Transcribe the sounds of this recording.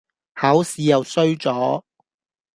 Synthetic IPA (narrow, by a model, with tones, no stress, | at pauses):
hɐ˨˥wsiː˨˥jɐ˨wsɵ˥ɥt͡sɔː˨˥